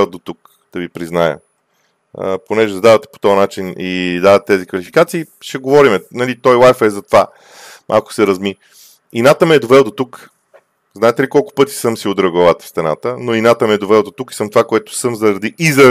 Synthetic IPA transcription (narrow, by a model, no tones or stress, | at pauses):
ɛlˠd̪ot̪uk | d̪̥ɐvipɾiznajə̰ | ponɛʒɛzɐd̪avɐt̪ɛ̥po̥t̪ɔɐnat͡ʃinid̪avɐt̪t̪ːɛzikvɐlifi̥kat̪siː | ʃɛɡovɔɾimɛnɐlit̪ɔjlˠajfɛzɐt̪ova | mʔa̰lˠkʊ̥sɛɾɐzmi | inat̪əmiɛd̪ovɛlˠd̪ot̪uk | znaɛt̪ɛlikɔlˠkʊ̥pɤt̪i̥sɤmsiod̪ɾɐɡovat̪ə̥fst̪ɛna̰t̪ənoinat̪əmɛɛd̪ovɛlˠd̪ot̪uki̥sɤmt̪ovakoɛt̪ʊ̥sɤmzɐɾɐd̪iʔizɐ